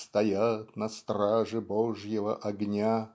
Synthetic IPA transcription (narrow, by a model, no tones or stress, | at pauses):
st̪ɐjat̪nɐst̪ɾaʐɨboʐjɪvəʔɐɡnʲa